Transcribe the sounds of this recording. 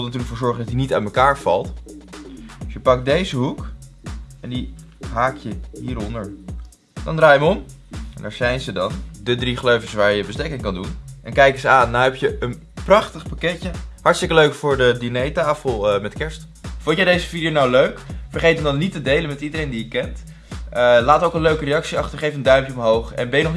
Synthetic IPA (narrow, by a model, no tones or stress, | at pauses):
lˠnatyːɹləkfʊːɹzɔɹχəndɑtinita̰tməkaːɹv̥ɑ̰lˠt | sjəpɑk̚dejzəɦuk | ɛndi | ɦaːkjəɦiːɾɔndəɹ | dɑ̰ndraːjəʋəɔm | ɛ̰nda̰ːɹz̥ɛjnzədɑndədriχløɥfəsʋaːɹjəbəstejkɪŋkɑndunʔɛnkɛjkəzəaːnːaɛpjəʔən | prɑχtəχpakɛcəɦɑɹtstɪkəløɥkfʊːɹdədinejtaːfəlˠəmɛtkɛɹst | fɔntjɛjdejzəfidijownawløɥkfəɹχejtəmdɑnːitədejlənmɛtidəɾejndijəkɛnt | əlaːtowkənløɥkərejɑksiɑχtəɹχejfəndœɥmpjəɔmɦowχɛ̰nbɛjənɔχ